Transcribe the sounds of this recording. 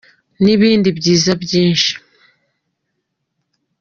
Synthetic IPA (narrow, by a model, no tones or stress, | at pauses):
niβiːndibɟiːzabɟiːnʃi̥